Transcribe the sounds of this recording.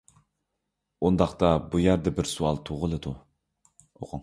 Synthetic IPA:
und̪ɑχt̪ɑbujæɾd̪ɛbɪɾsuɑlˠt̪ʰoʁəlˠɨd̪u | o̰qʰʊŋ

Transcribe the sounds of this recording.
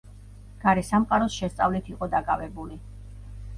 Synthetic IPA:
ɡ̥aɾɛsamqʼaɾɔsʃɛst̪sʼavlit̪ʰiqʼɔd̪akʼavɛbuli

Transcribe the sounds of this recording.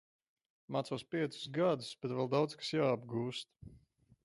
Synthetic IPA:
mat̪sɔːspiɛt̪su̥sɡad̪usb̥ɛt̪vɛlˠd̪awd̪skḁsjaːabɡuːst̪̚

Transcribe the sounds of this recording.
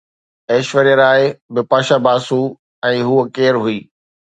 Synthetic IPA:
eːʃʋəɾijəɾaːɪbɪpaːʃaːbaːsu | ɛ̃ːɦuəkeːɾɦʊiː

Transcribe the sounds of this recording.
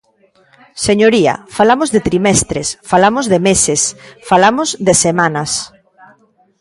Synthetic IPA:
seɲoɾiɐ̰falamozðet̪ɾimɛst̪ɾesfalamozðemesesfalamozðesemãnɐs

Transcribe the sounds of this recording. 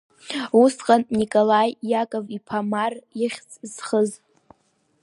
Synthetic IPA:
usqʼannikʼolajːakʼavipʰamarɪχʲt͡sʰʼz̥χəz

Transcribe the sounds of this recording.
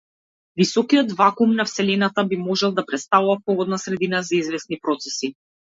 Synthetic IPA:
visɔkiɔt̪vakumnafsɛlɛnat̪abimɔʒɛlˠd̪apɾɛt̪st̪avuvapɔɡɔd̪nasɾɛd̪inazaizvɛsnipɾɔt̪sɛsi

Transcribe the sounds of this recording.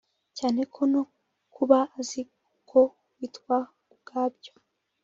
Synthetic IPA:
caːne̞kʰono | kuβaːzi | kʰo | wiːtkwa | ubɡ̥aːbjo

